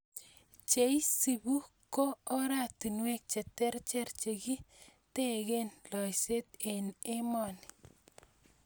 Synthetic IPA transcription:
t͡ʃe˨jsi˨bu˦ | koː˦ɾa˨ti˨nwe˦k̚t͡ʃe˨tɛ˦rt͡ʃɛ˦rt͡ʃe˨ɡi˦te˦ɣe˦nlɔ˨jse˦t̪e˨ne˦mɔ˨ni

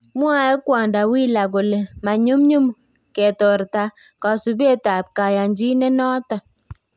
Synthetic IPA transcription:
mwa˦ɛ˦kwa˨nda˨wi˦la˨ɡo˨le˨ma˨ɲu˦mɲu˦m | ke˨tɔ˨ɾta˨ | ka˨su˨be˦ta˨p̚ka˨ja˨ɲd͡ʒi˦nɛ˦nɔ˦ta˨

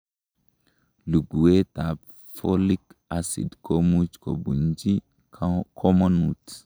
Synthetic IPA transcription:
lu˨ɡu˨e˦t̪a˨p | fo˦li˦kasḭ˨d̪kʰomu˦t͡ʃko̰˨bu˨nd͡ʒi˦ | kʰo˦mo˦nut

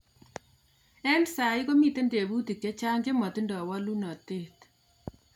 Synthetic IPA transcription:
ɛ˦msa˨i˦ko˦mi˦te˦nde˨bu˦ti˨kje˦t͡ʃa˦ŋɡe˦mɔ˨ti˦ndɔ˨wɔ˦lu˦nɔ˨te˦˨t

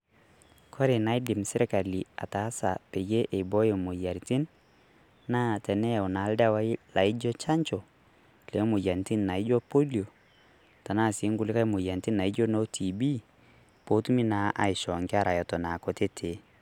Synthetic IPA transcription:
kʰɔ˦ɾe˨na˦ɪ˦dɪ˨msɪ˦ɾe˦ka˨li˨a̰˨ta˨˦sa̰˨pe˨je˦ʔe˨bɔ˦je˨mo˨ja˨ɾti˦n | na˦tɛ˨nɛ˦˨ɔ˨na˨˦lda˦wa˦ɪ˦la˨ɪ˦d͡ʒɔ˦t͡ʃa˦ɲt͡ʃɔ˨ | le˨˦mʊ˨ja˨nti˦nːa˨i˦d͡ʒɔ˦po˦li˨o˨ | ta˨na˦˨si˨˦ŋɡu˦˨lɪ˦ka˦mʊ˨ja˨nti˦nːa˨i˦d͡ʒɔ˦no˦tʰi˨bi˦ | po˦tu˦mi˦na˨˦ʔa̰˨i˨ʃɔ˨ŋɡɪ˦a˦ɾa˨jɔ˨tɔ˨na˨kɔ˨te˦tʰe˨

